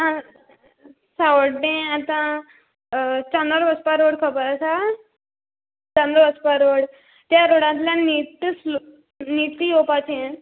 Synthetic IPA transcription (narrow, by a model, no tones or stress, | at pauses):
ã | saʋɖẽat̪ã | t͡ɕãnəɾʋəspaɾoɽkʰəpəɾasa | t͡ɕãnd̪ɾəʋəspaɾoɽ | t̪jaɾoɽãnt̪ljãnit̪sl | nit̪iɦopat͡sen